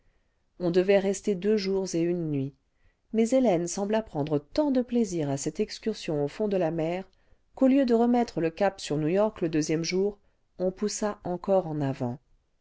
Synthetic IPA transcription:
ɔ̃d̪əvɛʁɛst̪ed̪øʒuʁzeynːɥi | mɛzelɛnsɑ̃blapχɑ̃d̪ʁət̪ɑ̃d̪əpleziʁasɛt̪ɛkskʲyʁsjɔ̃ofɔ̃d̪əlamɛʁ | koljød̪əʁəmɛt̪χələkapsyʁnujɔʁkləd̪øzjɛmʒuːʁ | ɔ̃pusaʔɑ̃kɔʁɑ̃navɑ̰̃

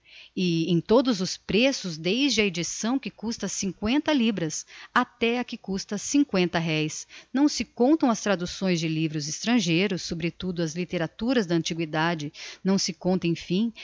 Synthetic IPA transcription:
ɪẽj̃t̪od̪ʊzʊspɾesʊzd̪ejzd͡ʒɪɐed͡ʒisɐ̃w̃kɪkust̪ɐsĩŋkwẽnt̪ɐlibɾɐsat̪ɛɐkɪkust̪ɐsĩŋkwẽnt̪ɐɦɛjsnɐ̃w̃sɪkõnt̪ɐ̃w̃ɐst̪ɾad̪usõj̃zd͡ʒɪlivɾʊzɪst̪ɾɐ̃ʒejɾʊsːobɾɪt̪ud̪ʊɐzlit̪eɾat̪uɾɐzd̪ɐɐ̃nt͡ʃiɡwid̪ad͡ʒɪnɐ̃w̃sɪkõnt̪ẽj̃fĩ

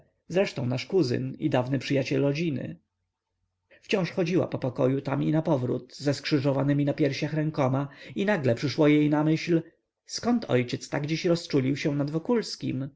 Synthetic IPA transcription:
zɾɛʂt̪ɔ̃w̃naʂkuzɘ̰nḭd̪avnɘpʂɘjat͡ɕɛlɾɔd͡ʑinɘ̰ | ft͡ɕɔ̃w̃ʂxɔd͡ʑiwa̰pɔpɔkɔjut̪aminapɔvɾṵt̪zɛskʂɘʐɔvanɘmʲinapʲjɛɾɕaxɾɛŋkɔmainaɡlɛpʂɘʂwɔjejnamɘɕl | skɔnt̪ʰɔ̰jt͡ɕɛt̪st̪aɡd͡ʑiɕɾɔst͡ʂulʲiwɕɛw̃nad̪vɔkulskʲḭm

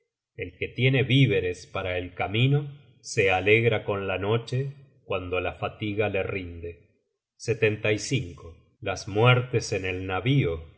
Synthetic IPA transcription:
e̞lket̪je̞ne̞βiβe̞ɾe̞spaɾaelkamino̞ | se̞aleɣɾako̞nlano̞t͡ʃekwand̪o̞lafat̪iɣale̞rind̪e̞ | set̪e̞nt̪ajsiŋko | lasmweɾt̪e̞se̞ne̞lnaβio

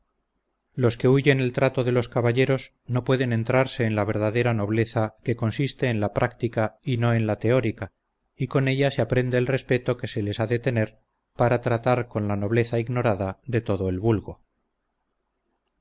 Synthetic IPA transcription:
lo̞ske̞uʝe̞ne̞lt̪ɾat̪o̞ðe̞lo̞skaβaʎe̞ɾo̞s | no̞pwe̞ðe̞nẽ̞nt̪ɾaɾse̞ːnlaβ̞e̞ɾðaðe̞ɾano̞βle̞θake̞ko̞nsist̪e̞ːnlapɾʔakt̪ikaino̞e̞nlat̪e̞o̞ɾika | iko̞ne̞ʎaseapɾe̞nd̪eːlre̞spe̞t̪o̞ke̞se̞le̞saðet̪e̞ne̞ɾ | paɾat̪ɾat̪aɾko̞nlano̞β̞le̞θaiɣno̞ɾaðaðe̞t̪o̞ðo̞e̞lβulɣo̞

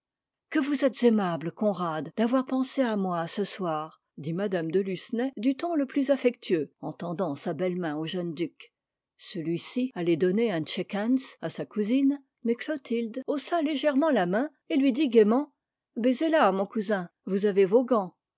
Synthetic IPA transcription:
kəvuzɛt̪z̥emablkɔ̃ʁad̪d̪avwaʁpɑ̃seamwasəswaːʁ | d̪imad̪amd̪əlysnɛd̪yt̪ɔ̃ləplyzafɛkt̪ʰyøɑ̃t̪ɑ̃d̪ɑ̃sabɛlmɛ̃oʒənd̪yk | səlɥisialɛd̪ɔneɛ̃t͡ʃɛkɛnsasakuzin | mɛklot̪ʰild̪osaleʒɛʁmɑ̃lamɛ̃ | elɥid̪iɡʲemɑ̃ | bezelamɔ̃kuzɛ̃vuzavevoɡɑ̃

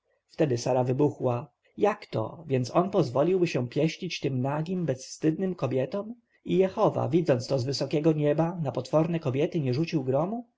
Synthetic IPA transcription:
ft̪ɛd̪ɘsaɾavɘbuxwa | jakt̪ɔ̰vʲjɛnt̪sɔnpɔzvɔlʲiwbɘɕɛpʲjɛɕʎit͡ɕt̪ɘmnaɡʲimbɛsfst̪ɘd̪̚nɘmkɔbʲjɛt̪ɔm | ijɛxɔva̰vʲid̪zɔnt̪st̪ɔzvɘsɔkʲɛɡɔɲɛbanapɔt̪fɔɾnɛkɔbʲjɛt̪ɘɲɛʐut͡ɕiwɡɾɔmu

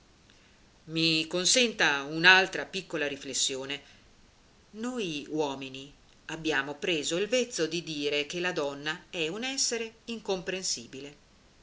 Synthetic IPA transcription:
mikonsɛnt̪aunalt̪ɾapikːolaɾiflesːjoːne | nojwɔːmini | abːjaːmopɾeːzoilvet̪sːod̪id̪iːɾekelad̪ɔnːaɛunɛsːeɾeiŋkompɾensiːbile

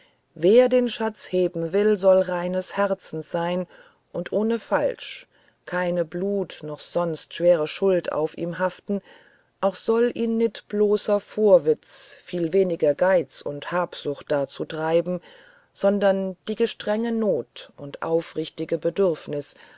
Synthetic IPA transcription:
veːɐdeːnʃat͡sheːbm̩vɪlzɔlʁaɪnəshɛʁt͡sn̩sz̥aɪn | ʔʊntʔoːnəfalʃ | kʰaɪnəbluːtnɔχz̥ɔnstʃv̥eːʁəʃʊlta̰ʊfḭːmɦaftn̩ | ʔaʊxz̥ɔlʔiːnnɪtb̥loːsɐfoːɐvɪt͡sfiːlveːnɪɡɐɡaɪt͡sʊ̰nthaːpz̥ʊχt̚d̥aːt͡suːtʁ̥aɪbm̩ | z̥ɔndɐnd̥iːɡəʃtʁ̥ɛŋənoːtʔʊntʔa̰ʊfʁɪçtɪɡəbədʏʁfnɪs

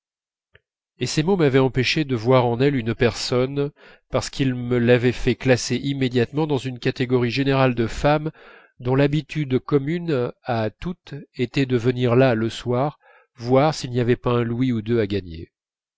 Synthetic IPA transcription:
esemomavɛɑ̃peʃed̪əvwaʁɑ̃nɛlynpɛʁsɔn | paʁsə̥kʰilməlavɛfɛklaseʔimːed̪jat̪mɑ̃d̪ɑ̃zynkat̪eɡɔʁiʒeneʁald̪əfam | d̪ɔ̃labit̪yd̪kɔmynat̪ut̪et̪ɛd̪əvəniʁlaləswaʁ | vwaʁsilnijavɛpaɛ̃lwiud̪øaɡaɲḛ

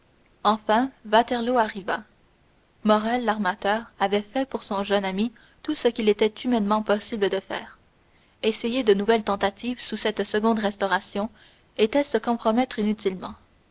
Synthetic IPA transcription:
ɑ̃fɛ̃vat̪ɛʁloaʁiva | mɔʁɛlːaʁmat̪œːʁavɛfɛpuʁsɔ̃ʒœnami | t̪usəkʲilet̪ɛt̪ymɛnmɑ̃pɔsibləd̪əfɛ̰ːʁ | esejed̪ənuvɛlt̪ɑ̃t̪at̪ivsusɛt̪səɡɔ̃d̪ʁɛst̪ɔʁasjɔ̃ | et̪ɛsəkɔ̃pχɔmɛt̪χinyt̪ilmɑ̃

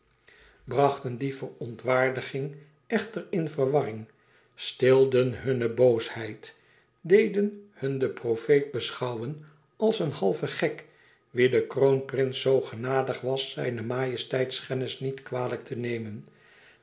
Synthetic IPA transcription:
brɑχtəndifərɔntʋaːɹdəχɪŋ | ɛχtərɪnfərʋɑrɪŋ | stɪlˠdənɦɵnəbowshɛjt | dejdənhɵndəprofejt̚bəsχɑwən | ɑlˠsənhɑlˠvəχɛk | ʋidəkrownprɪnsowχənaːdəχʋɑsɛ̰jnəmaːjəstɛjtskɛnɪsnitkʋaːlək̚tʰənejmən

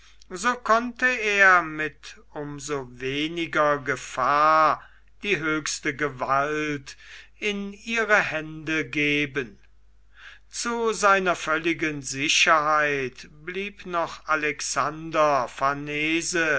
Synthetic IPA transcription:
zoːkʰɔntəeːɐmɪt | ʊmzoveːnɪɡɐɡəfaːɐ | d̥iːɦøːkstəɡəvaltɪniːʁəhɛndəɡeːbən | t͡suzaɪnɐfœlɪɡənzɪɕɐhaɪtb̥liːpnɔχalɛksandɐfaneːzə

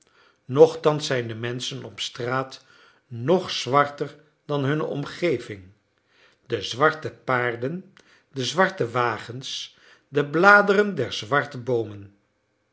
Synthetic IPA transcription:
nɔχtɑnsɛjndəmɛnsənɔpstraːt | nɔχsʋɑɹtər | d̥ɑnɦɵnəʔɔ̰mχejvɪŋ | dəzʋɑɹtəpaːɹdən | dəzʋɑɹtəʋaːχəns | dəblaːdərəndɛɹzʋɑɹtəbowmən

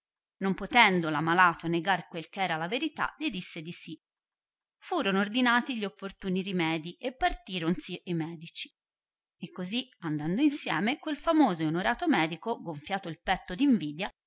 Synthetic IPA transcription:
nompot̪ɛnd̪olamalaːt̪oneɡarkwelkeɛːɾalaveɾit̪a̰ʎid̪isːed̪isi | fuːɾonoord̪inaːt̪iʎːiopːort̪uːniɾimɛːd̪iʔepːart̪iːɾonsiʔemɛːd̪it͡ʃi̥ | ekːoziand̪and̪oinsjɛ̰ːmekwelfamoːzoeonoɾaːt̪omɛːd̪ikoɡoɱfjaːt̪oilpɛt̪ːod̪iɱviːd̪ja

